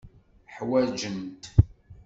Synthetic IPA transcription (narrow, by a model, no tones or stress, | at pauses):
ħwæd͡ʒəmt̪